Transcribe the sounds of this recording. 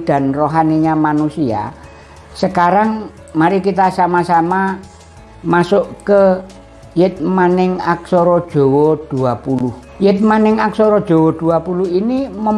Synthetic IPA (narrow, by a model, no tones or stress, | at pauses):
d̪̥a̤nroɦaneɲamanusia̰ | səkaɾaŋ | maɾikit̪asamasama | masʊʔkə | jɪt̪̚manɪŋaksɔɾɔd̥ʒ̥o̤wɔd̪̥uapulʊh | jɪt̪̚manɪŋaksɔɾɔd̥ʒ̥o̤wɔd̪̥uapuluhinimə